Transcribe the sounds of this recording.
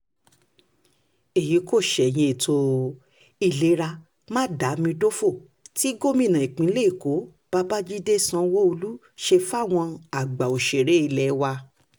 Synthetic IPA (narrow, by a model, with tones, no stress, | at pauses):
e˨ji˨˦ko˦˨ʃɛ˨j̃ĩ˧e˨tʰo˧ | i˨le˨˦ɾa˧ | mãː˦˨da˨˦mĩ˧do˦fo˦˨ | ti˦ɡo˦˨mĩ˦˨nã˨i˨k͡pĩ˨˦le˦i˨ko˨˦ | b̥a˦ba˦d͡ʒi˦de˦˨sã˧˦wɔ˦o˧lu˦ | ʃe˧fa˦˨w̃ɔ̃˧a˨ɡ͡ba˨o˨ʃe˨ɾe˨˦i˧˨lɛ˨˦wa˧